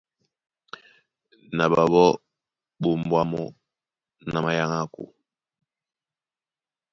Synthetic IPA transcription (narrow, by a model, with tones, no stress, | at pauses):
na˨ba˨βɔ˦ | bo˨mbwa˦mɔ˦ | na˨ma˨ja˦ŋa˦kṵ˨